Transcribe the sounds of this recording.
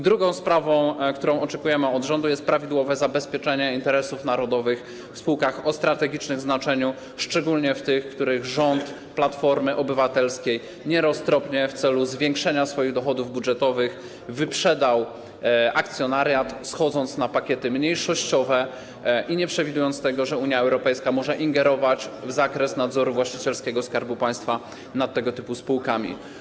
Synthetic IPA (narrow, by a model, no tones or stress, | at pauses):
d̪ɾuɡɔ̃w̃spɾavɔ̃w̃kt̪uɾɔ̃w̃ɔt͡ʂɛkujɛmɘɔd̪ʐɔnd̪ujɛst̪̚pɾavʲid̪wɔvɛzabɛspʲjɛt͡ʂɛɲɛint̪ɛɾɛsufn̪aɾɔd̪ɔvɘx | fspuwkaxɔst̪ɾat̪ɛɡʲit͡ʂnɘmznat͡ʂɛɲu | ʂt͡ʂɛɡulɲɛft̪ɘxkt̪uɾɘɣʐɔnt̪ | plat̪fɔɾmɘʔɔbɘvat̪ɛlskʲej | ɲɛɾɔst̪ɾɔpɲɛft̪sɛluzvʲjɛŋkʂɛɲasfɔjiɣd̪ɔxɔd̪uvbudʐɛt̪ɔvɘx | vɘpʂɛd̪aw | ʔakt̪sʲjɔnaɾjat̪sxɔd̪zɔnt̪snapakʲɛt̪ɘmɲejʂɔɕt͡ɕɔvɛ | ʔiɲɛpʂɛvʲid̪ujɔnt̪t̪ɛɡɔʐɛuɲjaɛwɾɔpɛjskamɔʐɛʔiŋɡɛɾɔvat͡ɕvzakɾɛsnad̪zɔɾuvwaɕt͡ɕi̥t͡ɕɛlskʲɛɡɔskaɾbupaj̃st̪fa | nat̪ːɛɡɔt̪ɘpuspuwkamʲḭ